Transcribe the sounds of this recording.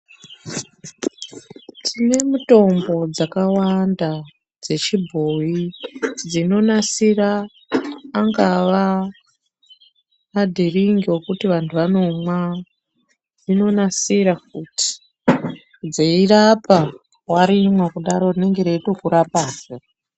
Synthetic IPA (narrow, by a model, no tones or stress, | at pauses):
tʰine̞muto̞mbo̞d͡zakawanda | d͡ze̞t͡ʃibʱojid͡zino̞nasiraː | ŋɡaʋa | madʱiriŋɡiwo̞kutiʋantʰuʋano̞mwa | d͡zino̞nasiɾak̚uti̥ | d͡zeirapa | waɾimwekuɗaɾo̞rine̞ŋɡe̞ɾeitokuɾapaːzo